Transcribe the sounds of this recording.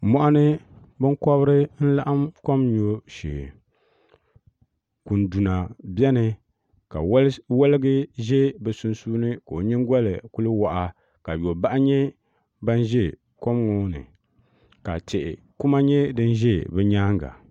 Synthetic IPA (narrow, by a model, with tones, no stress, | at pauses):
mɔ˦ʔa˦nɨ˦ | bɨ˦ŋkɔ˦βɾɨ˦n̩˦la˦ʔa˦mko˦mɲo˨ʃḛː˨ | ku˨n˨du˨na˨bjɛ˦nɨ˨ | ka̰˨˦wɛ˦lɨ˦ɡɨ˦ʒɛ˦bɛ˨su˦nsuː˦nɨ˦ka˨o˨ɲi˦ŋ˦ɡʷɔ˦lɨ̰˨ku˦lɨ˦wa˨ʔa˨ | ka˨jo˨ba˦ʔa˦ɲɛ˦ | ba˦n˦ʒɛ˦ | ko˦mŋo˦nɨ̰˨ | ka̰˨t͡ʃɛ˨ʔɪ̰˨ | ku˦ma˦ɲɛ˦dɨ˦n˦ʒɛ˦bɛ˦ɲaː˦ŋɡa̰˨